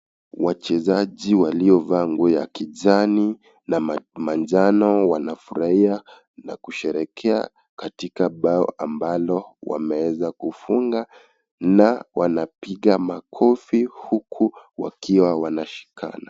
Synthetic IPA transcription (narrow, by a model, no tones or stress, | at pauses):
wat͡ʃɛzaʄiwaliɔvaŋɡuja̰kiʄani | namand͡ʒanɔwanafuɾaia | na̰kuʃɛɾɛkʰɛa̰ | katikaɓaɔ̰ʔambalɔwa̰mɛwɛzakufuŋɡa | nawanapiɡamakʰɔfihukʰuwa̰kʰiwawanaʃi̥kʰa̰na